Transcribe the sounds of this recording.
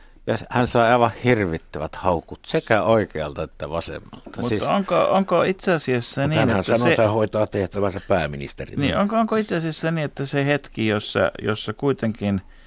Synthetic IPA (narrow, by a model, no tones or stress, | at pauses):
jɑhænsɑˑeɑˑeʋɑhhirʋit̪ːæʋæt̪hɑˑukut̪sekæoˑikeɑlt̪ɑet̪ːæʋɑsḛmːɑ̰lt̪ɑmutsisoŋko̰oŋkoit̪seɑsiesːæniæneænsæɑnoeæhoˑit̪ɑːt̪eht̪æʋænsæppæˑːminḭst̪ḛrḭnḭʔoŋkooŋkoit̪seɑsiæsːæniːet̪ːæsehet̪kijosːɑ̰jo̰sːɑkuit̪eŋkin